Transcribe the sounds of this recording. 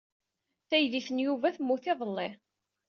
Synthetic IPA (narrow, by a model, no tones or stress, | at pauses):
θæjðiθənjuvæθəmːuθeðˤəlːe